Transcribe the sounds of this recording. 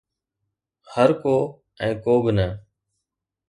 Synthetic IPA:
həɾkoː | ɛ̃ːkoːbɪnə

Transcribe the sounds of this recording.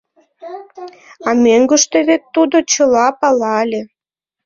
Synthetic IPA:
ɑmøŋɡə̆ʃt̪ĕβet̪ːud̪ot͡ɕə̆lɑpɑlɑlʲe

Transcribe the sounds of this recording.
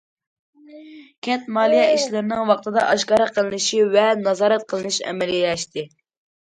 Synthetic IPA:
kʲʰɛt̪̚mɑːlˠijɛiʃlɪɾɪnɪŋwɑχt̪ʰɨd̪ɑʔɑʃkɑːɾəqʰəlˠɨnɨʃivɛnɑzɑːɾɛt̪̚qʰəlˠɨnɨʃɛ̰mɛlilɛʃt̪ʰɪ

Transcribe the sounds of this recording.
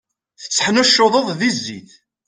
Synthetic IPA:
θə̥t͡sːə̥ħnæʃːoðˤəðˤðizːḭθ

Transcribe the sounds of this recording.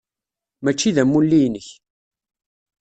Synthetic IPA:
mæt͡ʃːiðæmːulːijnəç

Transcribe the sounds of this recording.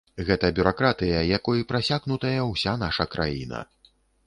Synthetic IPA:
ɣɛt̪ɐbʲuɾakɾat̪ɨjɐjakɔjipɾasʲaɣnut̪ɐjɐwsʲanaʂɐkɾʔa̰jḭnɐ̰

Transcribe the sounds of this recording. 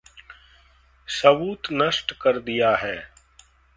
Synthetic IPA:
sɐʋuːt̪nɐʃʈkɐɾd̪ijaɦɛː

